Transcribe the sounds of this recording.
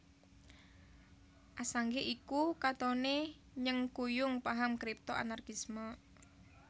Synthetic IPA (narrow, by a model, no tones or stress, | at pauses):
ʔasaŋɡeʔikukat̪ɔne | ɲəŋkujʊŋpaɦamkɾip̚t̪oʔa̰narkismə